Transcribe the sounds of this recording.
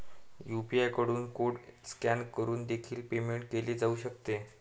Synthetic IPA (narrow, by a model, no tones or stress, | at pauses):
jupiajkəɽuːnkoʈskankəɾuːnd̪ekʰiːlpemeɳʈkeleːd͡zauɕəkt̪e